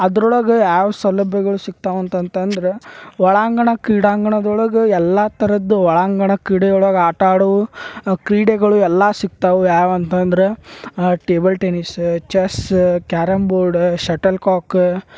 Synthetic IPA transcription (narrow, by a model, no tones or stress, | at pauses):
ɐd̪ɾɔɭɐɡejaːʋɐsɐlːɐbjɛɡɐɭusik̚t̪aʋɐnt̪ɐnt̪ɐnd̪ɐɾeʋɔɭaːŋɡɐɳɐkɾiːɽaːŋɡɐɳɐd̪ɔɭɐɡeɛlːat̪ɐɾɐd̪ːuʋɐɭaːŋɡɐɳɐkɾiːɽɛjɔɭɐɡaːʈaːɽɐʋukɾiːɽeɡɐɭuɛlːasik̚t̪aʋujaːʋɐnt̪ɐnd̪ɐɾeʈeːbɐlʈenist͡ʃeskaːɾɐmbuɾɖʃɐʈɐlkaːk